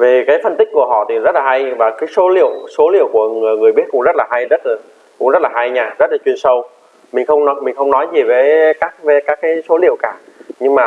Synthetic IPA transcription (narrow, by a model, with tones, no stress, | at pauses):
ve˨˩kaː˨˦jfə˧nt̪ï˦˥k̟̚ku˧˩əhɔ̰˧˨t̪ʰi˨˩zə˦˥t̚laː˨˩ɦa˧jvaː˨˩kaː˨˦jso˨˦lḭ˧˨əwso˨˦lḭ˧˨əwku˧˩əŋɨ˨˩əjŋɨ˨˩əjɓi˦˥t̚kʊ̰˧˥ŋ͡mzə˦˥t̚laː˨˩ɦa˧jzə˦˥t̚laː˨˩ | kʊ̰˧˥ŋ͡mzə˦˥t̚laː˨˩ɦa˧jɲaː˧˩zə˦˥t̚laː˨˩t͡ɕwi˧ənsə˧w | mï˨˩ŋ̟xə˧wŋ͡mnɔ˨˦mï˨˩ŋ̟xə˧wŋ͡mnɔ˨˦jzi˨˩vəː˨˦jkaː˦˥k̚ve˨˦kaː˦˥k̚ːaː˨˦jso˨˦lḭ˧˨əwkaː˧˩ɲɨ˧ŋmaː˨˩